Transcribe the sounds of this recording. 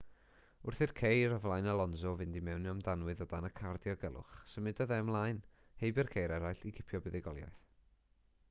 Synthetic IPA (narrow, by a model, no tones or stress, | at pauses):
ʊrθɪrkʰejɾɔvlˠajnəlˠɔnzɔvɨndimɛwnjɔmdanwɨðɔdanəkʰardjɔɡɛlˠʔʊ̰χsəmɨdɔðɛmlˠajn | hejbɪrkʰejɾɛɾajɬiɡʰɪpʰjɔbɛðɪɡɔlˠja̰jθ